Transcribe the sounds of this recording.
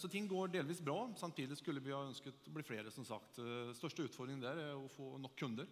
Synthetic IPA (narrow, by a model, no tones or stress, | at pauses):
sɔt̪ʰɪŋːɡoːɖeːlʋiːsbɾɑːsɑmt̪ʰiːd̪ɪskʉlːəʋɪhɑœnskət̪ɔbliːfleːɾəsɔmsɑ̰kt̪st̪œʂʈəʉːt̪fɔɖ̪d̪ɾɪŋd̪æɾæɾɔfoːnɔkʰːʉnd̪əɾ